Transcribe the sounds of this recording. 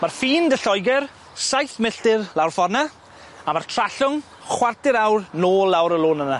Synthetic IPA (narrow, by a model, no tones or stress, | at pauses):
marfiːndəɬɔjɡɛr | sajθmɪɬtɪrlˠawrfɔrna | amartʰraɬʊŋ | χwartɪɾawrnoːlˠːawɾəlˠoːnəna